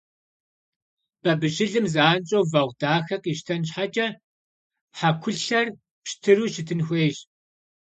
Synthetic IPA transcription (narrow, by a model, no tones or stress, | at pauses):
b̥ɐbɨɕɪɮɨmzaːnt͡ʃʼowvɐʁʷd̥aːxɐqʼiʃtʰɐnɕħat͡ʃʼɐ | ħakʷʰʊɬɬɐr | pʃtʰɨɾuːʃɪtʰɨnxʷeːɕ